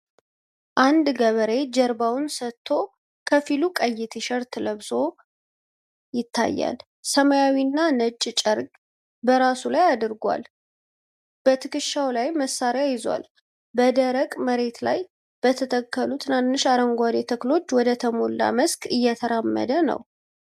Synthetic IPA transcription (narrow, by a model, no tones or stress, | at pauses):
ʔand̪ɡəβəɾe̞d͡ʒəɾbawnsət̪ʰːo̞ | kʰəfilukʼəjːɪt̪ʰeʃəɾt̪ʰləβso̞ | jɪt̪ʰːa̰jːa̰l | səmajawinːanət͡ʃʼːt͡ʃʼəɾɡʼ | bəɾasulajad̪ɨɾɡwa̰l | b̥ət̪ʰɨkɨʃːawlajməsːaɾjajɪzwa̰l | bəd̪əɾəkʼməɾe̞t̪la̰j | b̥ət̪ʰət̪ʰəkʰːəlut̪ʰɨnanːɨʃaɾəŋɡʷad̪et̪ʰəklo̞t͡ʃːwɔd̪ət̪ʰəmo̞lːa̰məskʼɨjːɛt̪ʰəɾamːə̰d̪ənə̰w